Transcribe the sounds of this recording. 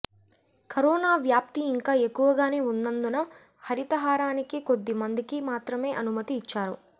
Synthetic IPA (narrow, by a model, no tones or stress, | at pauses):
kɐɾɔːnaːʋjaːp̚t̪iːŋkaːekːuʋɐɡaːne̞ːund̪ɐnd̪unɐ | hɐɾit̪ɐɦaːɾaːnikiko̞d̪ːimɐnd̪ikimaːt̪ɾɐme̞ːʔɐnumɐt̪iːt͡ʃːaːɾṵ